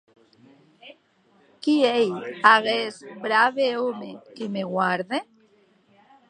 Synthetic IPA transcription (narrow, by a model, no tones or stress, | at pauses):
kiejaɣezbɾaβeomekemeɣwaɾðe